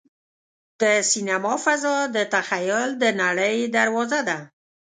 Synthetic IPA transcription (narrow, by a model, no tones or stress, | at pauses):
d̪̥əsinamɑfazɑd̪ət̪axajʊld̪ənaɽəjd̪aɾwɑzad̪a